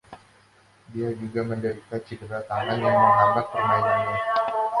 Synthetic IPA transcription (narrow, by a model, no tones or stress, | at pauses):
diad͡ʒuɡaməndəɾik̪at͡ʃidəɾat̪aŋanjaŋməŋɦaŋɡak̚pərmajaŋɲa